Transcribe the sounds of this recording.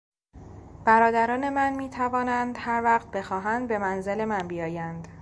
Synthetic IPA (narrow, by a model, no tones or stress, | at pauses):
b̥æɾɒːd̪æɾɒːne̞mænmiːt̪ʰævɒːnænd̪hæɾvæɣt̪̚be̞xɒːɦænd̪̚be̞mænze̞le̞mænbijɒːjænd̪